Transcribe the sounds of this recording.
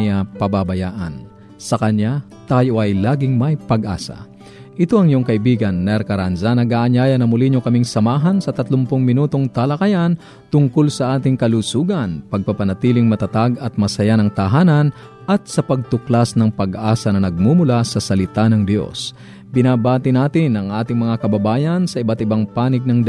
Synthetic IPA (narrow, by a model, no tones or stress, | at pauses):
ɪapɐbabɐjaːʔɐ̰n | sɐkɐɲːa | t̪aːjoʔɐjlaːɡɪŋmɐjpɐɡʔa̰ːsɐ̰ | ʔɪt̪oɐŋɪjoŋkɐʔɪbiːɡɐnːɛɾkɐɾanzanɐɡaːʔɐɲaːjɐnɐmʊliɲokɐmiŋsɐmaːɦɐnsɐt̪ɐt̪lompʊŋmɪnuːt̪o̞ŋt̪ɐlɐkɐjan | t̪ʊŋkolsɐʔaːt̪ɪŋkɐlusuːɡɐnpɐɡ̚pɐpɐnɐt̪iːlɪŋmɐt̪ɐt̪aɡɐt̪̚mɐsɐjanɐŋt̪ɐɦaːnɐn | ʔɐt̪̚sɐpɐɡ̚t̪ʊklasnɐŋpɐɡʔaːsɐnɐnɐɡ̚mumʊlasɐsɐlɪt̪anɐŋd̪jo̞̰s | bɪnaːbaːt̪ɪnaːt̪ɪnʔɐŋʔaːt̪ɪŋmɐŋakɐbɐbaːjɐnsɐɪbat̪ɪbaŋpaːnɪɡ̚nɐŋd̪